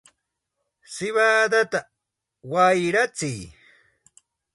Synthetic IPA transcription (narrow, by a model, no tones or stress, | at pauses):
sɪβad̪at̪a | wajɾat͡sɪj